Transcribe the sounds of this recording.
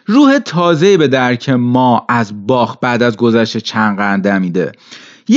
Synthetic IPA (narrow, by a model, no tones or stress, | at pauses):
ruːhe̞t̪ʰɒːzeiːbe̞d̪æɾcʰemɒːæzbɒːxbæːd̪æzɡo̞zæʃt̪et͡ʃʰænɢænd̪æmiːd̪ḛ | j